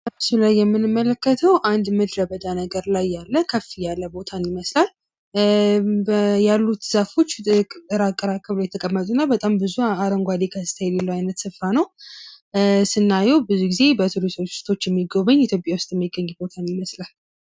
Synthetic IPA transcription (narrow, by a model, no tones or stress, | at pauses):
ʔamsulajːɛmːɨnɨmːələkːət̪ʰəwʔand̪mɨd̪ɾəbəd̪anəɡəɾlajːalːəkʰəfijalːəbo̞t̪ʰanjɪməslal | bəjalːut̪z̥afo̞t͡ʃːɨɾakʼːəɾakʼəβlajɛt̪ʰəkʼəmːət̪ʼunːabət̪ʼambɨzuaɾəŋɡʷad̪ekʰəsɨ̥t̪ʰajɛlelːwajnət̪sɨfːanəw | sɨnːajɛwbɨzuɡize̞bət̪ʰuɾisot͡ʃːu̥st̪ʰo̞t͡ʃːjɛmːiɡoβəɲːit̪ʰjo̞pʼjawʊst̪ʼjɛmːiɡəɲːubo̞t̪ʰanjɪməslal